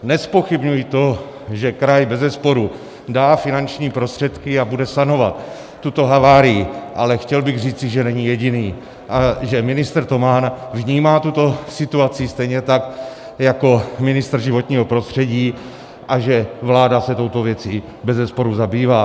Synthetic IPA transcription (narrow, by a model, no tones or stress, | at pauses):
nɛspoxɪbɲujit̪o̞ | ʒɛkɾajbɛzɛspo̞ɾu | daːfɪnant͡ʃɲiːpɾost̪r̥ɛt̪kɪabudɛsano̞vat̪ː | ut̪o̞ɦavaːɾɪjɪʔalɛxcɛlbɪɣr̝iːt͡sɪʒɛnɛɲijɛɟɪniː | ʔaʒɛmɪnɪst̪ɾ̩t̪o̞maːnvɲiːmaːt̪ut̪o̞sɪt̪uat͡sɪst̪ɛjɲɛt̪ak | jako̞mɪnɪst̪r̩ʒɪvo̞t̪ɲiːɦo̞pɾo̞st̪r̝̥ɛɟiː | ʔaʒɛvlaːdasɛt̪o̞wt̪o̞vjɛt͡siː | bɛzɛspo̞ɾuzabiːvaː